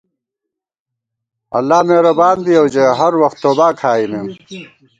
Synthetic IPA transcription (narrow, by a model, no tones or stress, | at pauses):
ɐ̰lːaːmeːɾɐbaːnbiɐwd͡ʑeɦɐɾwɐxt̪ːoːbaːkʰaːimeːm